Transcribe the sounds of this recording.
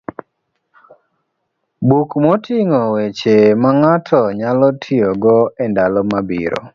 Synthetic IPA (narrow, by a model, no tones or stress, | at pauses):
bukmɔtʰiŋɔwet͡ʃemaŋatʰɔɲalɔtʰɪɔɡɔɛndalɔmabḭɾo̰